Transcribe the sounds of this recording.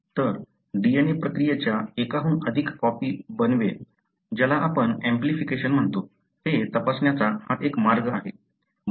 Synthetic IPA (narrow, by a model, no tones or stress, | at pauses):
t̪əɾ | ɖienepɾəkɾijet͡ɕjaekaɦũːʔəd̪ʱikːɔpiːbənʋe | d͡ʑalaʔapəɳɛ̃mplifikeɕənm̤əɳt̪o | t̪et̪əpasɳjat͡sahat̪ekmaɾɡəaɦe